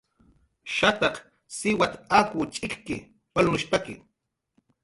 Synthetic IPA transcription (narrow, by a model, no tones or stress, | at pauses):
ʃat̪ɑq | sɪwat̪akʊt͡ʃʼɪkkɪ̰ | walnʊʃpakɪ̰